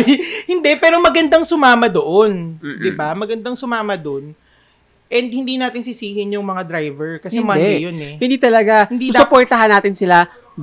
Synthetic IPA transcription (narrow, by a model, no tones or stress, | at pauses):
hɪnd̪ɛpɛːɾomɐɡɐnd̪aŋsʊmaːmɐd̪oʔond̪ɪbamɐɡɐnd̪aŋsʊmaːmɐd̪on | ʔɛnd̪̚hɪnd̪iːnaːt̪ɪnsɪsiːhɪnjʊŋmɐŋad̪ɾajvɛɹkɐsɛmad̪ɛjonɛhɪnd̪iːt̪ɐlɐɡaɪnsiuːsʊpoːɹt̪ɐɦanːaːt̪ɪnsɪla